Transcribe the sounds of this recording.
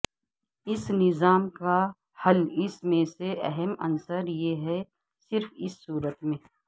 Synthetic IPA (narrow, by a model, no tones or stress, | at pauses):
ɪsnɪzaːmka | hɐlɪsmẽseʔɛɦɛmɐ̰nsəɾjeɦɛ | sɪɾfɪsːuːɾət̪mẽː